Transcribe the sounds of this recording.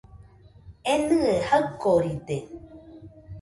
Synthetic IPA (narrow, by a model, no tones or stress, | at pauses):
enɨehəkːoɾit̪e